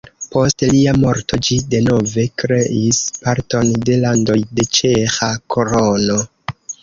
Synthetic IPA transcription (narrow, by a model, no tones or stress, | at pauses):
po̞stliamo̞ɾto̞d͡ʒide̞no̞ve̞kɾe̞ʔispaɾto̞nde̞lando̞jde̞t͡ʃe̞xakoɾono̞